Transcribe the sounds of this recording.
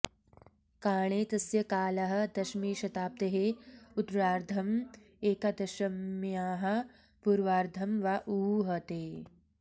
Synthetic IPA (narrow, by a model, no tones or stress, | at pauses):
kaːɳeːt̪ɐsjɐkaːlɐɦɐ̆d̪ɐʃmiːʃɐt̪aːp̚t̪eɦeud̪ɾaːɾd̪ʱɐm | eːkɐd̪ɐʃɐmjaːɦɐ̆ | puɾʋaːɾd̪ʱɐmʋaʔuːɦɐt̪eː